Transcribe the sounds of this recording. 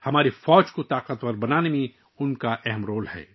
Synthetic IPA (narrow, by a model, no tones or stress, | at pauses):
hɐmaːɾefɔːd͡ʒkot̪aːqət̪wɐɾbɐnaːnemẽ | ʊnkaʔɛɦmɾoːlhɛ̰ː